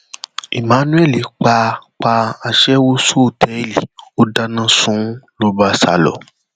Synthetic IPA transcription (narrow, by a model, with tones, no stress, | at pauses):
ḭ˨mã˨˦nũ˦ɛ˦˨li˨k͡pa˧k͡pa˧a˧ʃɛ˦wo˦su˦˨tʰɛ˨˦i˦˨li˨o˦da˧nã˦sũ˨˦lo˦ba˧˦sa̰˧˨lɔ̰˨